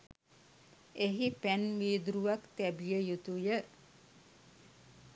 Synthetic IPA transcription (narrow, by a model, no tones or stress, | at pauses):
eɦipænʋiːd̪uɾuʋakt̪æbijəjut̪ujə